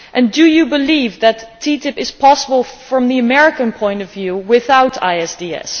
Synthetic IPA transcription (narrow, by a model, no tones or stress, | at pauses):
ʔɨ̃ndɨjɨbəlivðɨtʰːitɨpɨz̥pʰɑsəbəlˠfɹʌ̃mðiɨmɛɹɨkɨ̃npʰɔ̃ɪ̃ntʌvjʉwɪθaʊtʰa̰ɪɛsdiɛ̰s